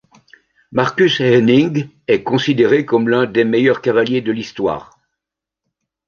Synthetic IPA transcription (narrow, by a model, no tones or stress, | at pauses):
maʁkʲysɛnĩŋɡ | ɛkɔ̃sid̪eʁekɔmlɛ̃d̪emejœʁkavaljed̪əlist̪wa̰ːʁ